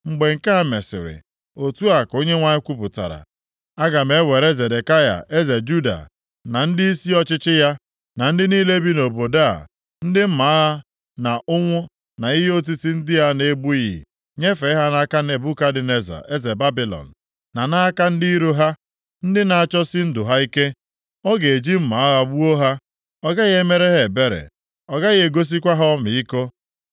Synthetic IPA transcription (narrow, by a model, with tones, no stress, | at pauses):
ŋ͡m̩˨ɡ͡be˨ŋ̩˨ka˦a˦˨me˨sɪ̰˨ɾɪ̰˨ | o˨tu˦a˨ko˦ɲe˦ŋʷa˦ɲɪ˦kʷu˦pʊ˨ta̰˨ɾa̰˨ | a˦ɡa˨me˦we˨ɾe˦ze˨de˨ka˦ja̰˨ʔe˦ze˨d͡ʒu˦da̰˨ | na˨n̩˦dɪ˦i˦si˦ɔ˦t͡ʃɪ˦t͡ʃɪ˦ja˦ | na˨n̩˦dɪ˦niː˦le˦bi˦no˨bo˨da̰˦˨ | n̩˦dɪ˦m̩˦ma˨˦ɦa˦ | na˨ʔʊ˦ŋʷʊ˦ | na˨i˦ɦi˦o˦t̬i˦ti˦n̩˦dɪ˦ja˦ne˦ɡ͡bu˦jḭ˨ | ɲe˦fe˨˦ɦa˦na˦ka˦ne˨bʊ˦ka˦dɪ˨ne˨za̰˨ʔe˦ze˨ba˦bi˨lɔ̰˨n̩˨ | na˨na˦ka˦n̩˦di˦i˦ɾo˦ɦa˦ | n̩˦dɪ˦na˨a˨t͡ʃɔ˦si˦n̩˦dʊ˨ɦa˦i˦ke˦ | ɔ˦ɡe˨e˨d͡ʒi˦m̩˦ma˨a˦ɣa˦bu˦o˦ɦa˦ | ɔ˦ɡa˦ɣe˦me˦ɾe˦ɦe˨be˦ɾḛ˨ | ɔ˨ɡa˦ɣe˦˨ɡo˦s̬i˦kʷa˦ɦɔ˦mi˨i˦ko˦